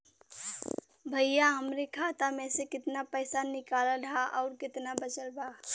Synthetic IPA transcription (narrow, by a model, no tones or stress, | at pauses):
bʱəjjaɦəmɾekʰaːt̪amẽsekɪt̪napəɪsanɪkaːləlɦaʔɔːɾkɪt̪nabət͡ʃəlbʱaː